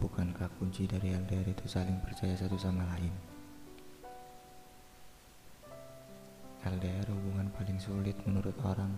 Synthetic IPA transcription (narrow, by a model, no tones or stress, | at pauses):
bukankakuɲt͡ʃidaɾiɛldeɛrit̪usalɪŋpərt͡ʃajasat̪usamalaɪn | ɛldeɛrhubuŋanpalɪŋsulɪt̪̚mənuɾʊt̪oɾaŋ